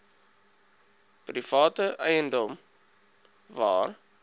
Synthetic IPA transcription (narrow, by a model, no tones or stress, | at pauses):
prifɑːtəʔɛjəndɔm | vɑ̰ːr